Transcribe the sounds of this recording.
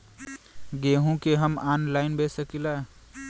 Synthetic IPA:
ɡeɦũkeɦəmaːnlaːɪnbesəkila

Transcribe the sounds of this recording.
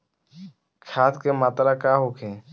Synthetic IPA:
kʰaːt̪keːmaːt̪ɾaːkaːɦoːkʰẽː

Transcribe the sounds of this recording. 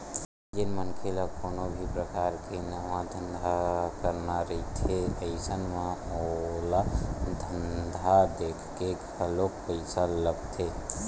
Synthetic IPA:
d͡ʒɪnmənkʰelakoːnobʱipɾəkaːɾkenəʋãd̪ʱənd̪ʱakəɾnaɾəɦit̪ʰeəɪsənmẽolad̪ʱənd̪ʱad̪ekʰkek | əlok̚pəɪsaləbt̪ʰe

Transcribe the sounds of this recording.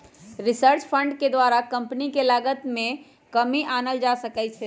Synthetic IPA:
ɾisəɾt͡ʃpʰəɳɖked̪ʋaɾakəmpnikelaɡət̪mẽ | kəmiʔanəld͡ʒasəkɛt͡ʃʰɛ

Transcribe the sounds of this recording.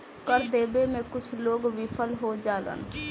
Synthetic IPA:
kəɾd̪eːbemẽkʊt͡ʃʰloːɡwɪpʰəlɦod͡ʒaːlə̰n

